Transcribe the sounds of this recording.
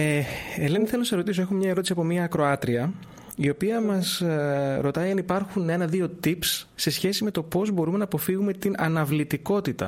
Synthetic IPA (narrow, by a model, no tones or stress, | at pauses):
eeleniθelonɐseɾo̞t̪iso̞e̞xomɲɐeɾo̞t̪isiɐpo̞miɐːkɾo̞ɐt̪ɾiɐ | io̞piɐmɐs | ɾo̞t̪ɐiɐnipɐɾxune̞nɐðio̞t̪ipsːe̞sçe̞sime̞t̪o̞po̞zbo̞ɾume̞nɐːpo̞fiɣume̞t̪inʔɐnɐvlit̪iko̞t̪it̪ɐ̰